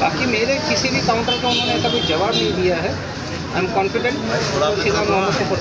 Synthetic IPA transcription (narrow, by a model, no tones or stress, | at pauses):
baːkimeːɾekɪsibʱikaʊ̃ɳʈɾakoʊn̤õnek̪ɐbʱid͡ʒɐʋaːbnĩd̪ijaɦɛ | ã̰jmkɔ̃ːnfɪɖẽɳʈot͡ʃʰilamãnõsẽpɐ